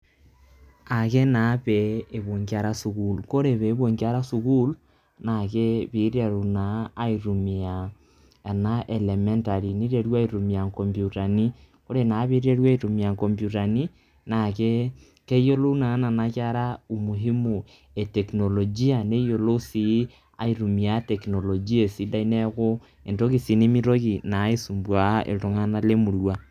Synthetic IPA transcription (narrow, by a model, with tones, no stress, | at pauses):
a˨ke˦na˨˦βeː˨βo˨ŋɡi˦a˨ɾa˦su˨ku˨lko˦ɾe˨βe˨˦βo˨ŋɡi˦a˦ɾa˦su˨ku˦l | na˨ke˦βi˨˦ɾe˨ɾu˨naː˨˦i˨ɾu˨mi˨a˨ | na˦ʔe˨le˨mɛ˦nta˨ɾi˨ni˦ɾe˨ɾwa˦i˨ɾu˨mi˨a˨ŋkɔ˨mbju˨ta˨ni˦ | ko˦ɾe˨na˨˦βi˦ɾi˦e˦ɾwa˦i˨ɾu˨mi˨a˨ŋko˨mbju˨ta˨ni˦ | na˨ke˦ | ke˦ijo˦lo˦u˦na˨ŋa˦na˨na˨ka˦ɾa˦u˨mu˨ɦi˦mu˨ | e˨tekno˨lo˨d͡ʒi˦a˨ne˦ijo˨lo˦si˦ | a̰˦iɾu˨mi˨a˨tekno˨lo˨d͡ʒi˦e˨si˦da˦ine˦ɣo˦ | e˨nto˦ɣi˨si˨ne˦mi˦ɾo˦ɣi˨na˨˦i˦su˨mbwa˨ḛ˨to˨ŋa˦na˦le˦mu˨ɾwa˦